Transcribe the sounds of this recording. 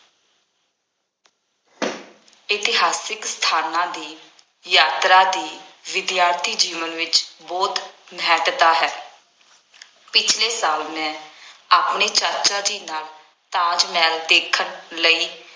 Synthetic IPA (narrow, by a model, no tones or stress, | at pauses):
ɪt̪ɪɦaːsɪkst̪ʰaːnãːd̪iː | jaːt̪ɾaːd̪iːʋɪd̪jaːɾt̪ʰiːd͡ʒiːʋənʋɪt͡ʃbɔːt̪ | mɛːʈt̪aːɦɛː | pɪt͡ʃʰleːsaːlmɛ̃ːaːpɳeːt͡ʃəɾt͡ʃaːd͡ʒiːnaːl | t̪ãːd͡ʒmɛːld̪eːkʰəɳləiː